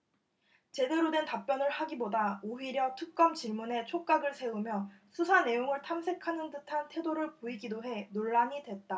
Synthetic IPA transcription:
t͡ɕe̞de̞ɾodwe̞ntap͈jʌnɯɭhaɡibodaoɦiɾjʌtʰɯk̚k͈ʌmt͡ɕiɭmune̞t͡ɕʰok͈aɡɯɭsʰe̞ɯmjʌsʰusʰane̞joŋɯɭtʰamsʰe̞kʰanɯndɯtʰantʰe̞doɾɯɭpoiɡidoɦe̞noɭːaɲidwe̞t̚t͈a

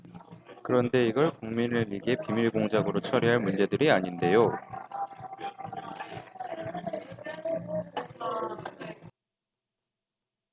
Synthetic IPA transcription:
kɯɾʌnde̞iɡʌɭkuŋminɯiɡepimiɭɡoŋd͡ʑaɡɯɾot͡ɕʰʌɾiɦaɭmund͡ʑe̞dɯɾiaɲinde̞jo

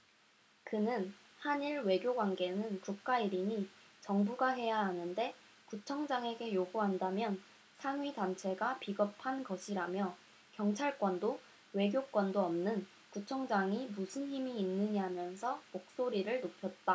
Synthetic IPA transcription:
kɯnɯn | haɲiɭwe̞ɡjoɡwanɡe̞nɯnkuk̚k͈aiɾiɲit͡ɕʌŋbuɡaɦe̞jaɦanɯnde̞ | kut͡ɕʰʌŋd͡ʑaŋe̞ɡe̞joɡuɦandamjʌn | sʰaŋɥidant͡ɕʰe̞ɡapiɡʌpʰanɡʌɕʰiɾamjʌ | kjʌŋt͡ɕʰaɭk͈wʌndo | we̞ɡjok͈wʌndoʌmnɯn | kut͡ɕʰʌŋd͡ʑaŋimusʰɯnɦimiːnːɯɲiɦamjʌnsʰʌmok̚s͈oɾiɾɯɭnopʰjʌt̚t͈a

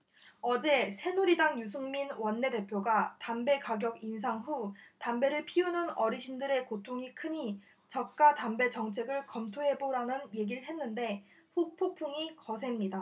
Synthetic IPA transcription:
ʌd͡ʑe̞sʰe̞nuɾidaŋjus̬ʰuŋminwʌnːe̞de̞pʰjoɡatambe̞kaɡjʌɡins̬ʰaŋɸutambe̞ɾɯɭpʰiununʌɾiɕʰindɯɾe̞kotʰoŋikʰɯɲi | t͡ɕʌk̚k͈atambe̞t͡ɕʌŋt͡ɕʰe̞ɡɯɭkʌmtʰoɦe̞boɾanɯnje̞ɡiɾɭɦe̞nːɯnde̞ | ɸuk̚pʰopʰuŋikʌsʰe̞mɲida

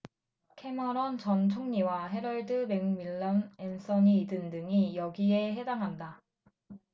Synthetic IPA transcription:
kʰe̞mʌɾʌnt͡ɕʌnt͡ɕʰoŋɲiwaɦe̞ɾʌɭdɯme̞ŋmiɭːanensʰʌɲiːdɯndɯŋijʌɡie̞he̞damɦanda

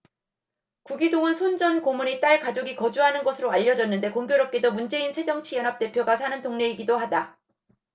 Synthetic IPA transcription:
kuɡidoŋɯnsʰond͡ʑʌnkomunit͈aɭkad͡ʑoɡikʌd͡ʑuɦanɯnɡʌsʰɯɾoaʎːʌd͡ʑʌnːɯnde̞koŋɡjoɾʌp̚k͈e̞domund͡ʑe̞insʰe̞d͡ʑʌŋt͡ɕʰijʌnɦap̚t͈e̞pʰjoɡas̬ʰanɯntoŋne̞iɡidohada

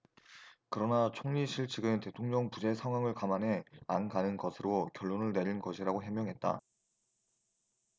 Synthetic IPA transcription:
kɯɾʌnat͡ɕʰoŋɲiɕʰiɭt͡ɕʰɯɡɯnte̞tʰoŋɲʌŋpud͡ʑe̞sʰaŋwaŋɯɭkamanɦe̞ankanɯnɡʌsʰɯɾokjʌɭːonɯɭne̞ɾinɡʌɕʰiɾaɡoɦemjʌŋɦe̞t̚t͈a̰

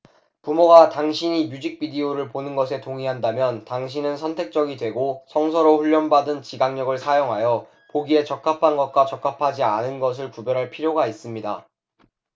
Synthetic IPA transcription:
pumoɡataŋɕʰiɲimjud͡ʑik̚p͈idioɾɯɭponɯnɡʌsʰe̞toŋiɦandamjʌntaŋɕʰinɯnsʰʌntʰe̞k̚t͡ɕ͈ʌɡidwe̞ɡosʰʌŋs̬ʰʌɾoɸuʎːʌnbadɯnt͡ɕiɡaŋɲʌɡɯɭsʰajoŋɦajʌ | poɡie̞t͡ɕʌk͈̚ʰapʰanɡʌt̚k͈wat͡ɕʌk͈apʰad͡ʑianɯnɡʌs̬ʰɯɭkubjʌɾɦaɭpʰiɾjoɡais͈ɯmɲida̰

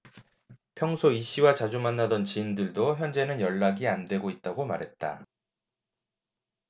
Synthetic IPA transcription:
pʰjʌŋsʰoiɕ͈ʰiwat͡ɕad͡ʑumanːadʌnt͡ɕiːndɯɭdoçjʌnd͡ʑe̞nɯnjʌɭːaɡiandwe̞ɡoit̚t͈aɡoma̰ɾɦe̞t̚t͈a̰

